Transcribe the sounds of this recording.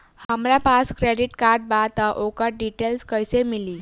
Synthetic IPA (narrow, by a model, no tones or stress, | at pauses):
həmɾapaskɾeɖiʈkaɾʈ̚bat̪aʔokəɾ̚ɖiʈelskəjsemiliː